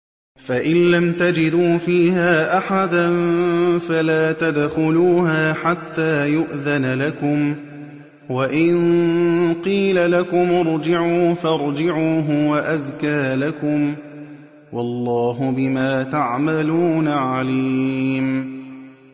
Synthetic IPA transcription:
faʔɪnlamt̪ad͡ʒɪd̪uːfiːhaːʔaħad̪anfalaːt̪ad̪xʊluːɦaːħat̪ːaːjʊʔðanalakʊm | waʔɪn | qiːlalakʊmʊɾˤd͡ʒɪʕuːfɑɾˤd͡ʒɪʕuːɦʊwaʔaðkaːlakʊm | wɑlˤːɑːɦʊbɪmaːt̪aʕmaluːnaʕaliːm

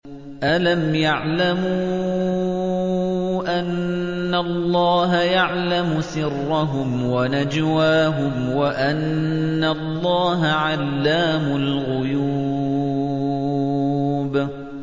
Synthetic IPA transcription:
ʔalamjaʕlamu | ʔanːalˤːɑːɦajaʕlamʊsɪrːaɦʊm | wanad͡ʒwaːɦʊmwaʔanː | alˤːɑːɦaʕalːaːmʊlɣʊjuː | b

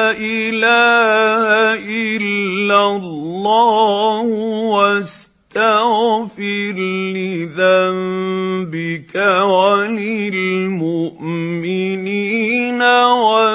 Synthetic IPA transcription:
ʔɪlaːhaʔɪlːalːaːhwas | t̪aɣfɪɾnɪðambɪkawanilmʊʔmɪniːnawa

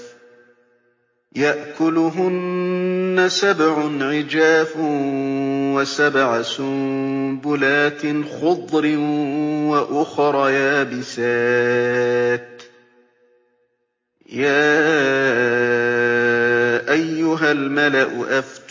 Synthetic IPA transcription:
jaʔkʊlʊɦʊnː | asabʕʊnʕɪd͡ʒaːf | wasabʕasʊbʊlaːt̪ɪxʊd̪ˤɾɪwaʔʊxɾˤɑjaːbɪsaː | t̪ | jaː | ʔajːʊɦalmalaʔʊʔaf

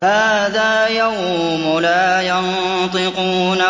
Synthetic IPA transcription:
haːðaːjaw | mʊlaːjɑn | t̪ˤɪquːna

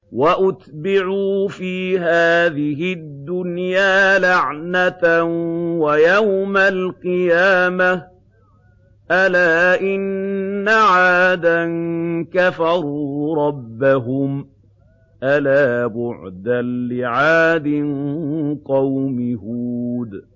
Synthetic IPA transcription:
waʔʊt̪bɪʕuːfiːɦaːðɪɦɪd̪ːʊnjaːlaʕnat̪awajawmalqɨjaːma | ʔalaːʔɪnːaʕaːd̪ankafɑɾˤuːɾˤɑbːaɦʊm | ʔalaːbʊʕd̪anlɪʕaːd̪ɪnqɑwmɪhuːd̪

